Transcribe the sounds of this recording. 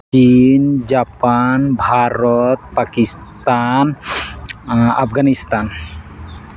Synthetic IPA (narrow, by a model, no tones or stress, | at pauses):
t͡ʃind͡ʒapanbʱaɾɔt̪̚pakist̪an | a̰pɡanist̪an